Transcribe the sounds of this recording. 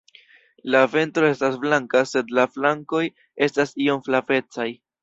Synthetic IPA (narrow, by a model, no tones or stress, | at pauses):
lave̞ntɾo̞e̞stasflaŋkase̞d̪laflaŋko̞j | e̞stasio̞mflave̞t͡saj